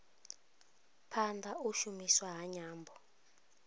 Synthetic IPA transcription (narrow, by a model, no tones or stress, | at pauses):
pʰandʱauʃumiswaɦaɲaːmbʱɔ